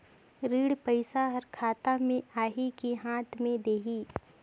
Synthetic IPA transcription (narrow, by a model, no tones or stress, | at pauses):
ɾiːɽpəɪsaɦɐɾkʰaːt̪amẽaːɦikiɦãːt̪ʰmẽd̪eːɦiː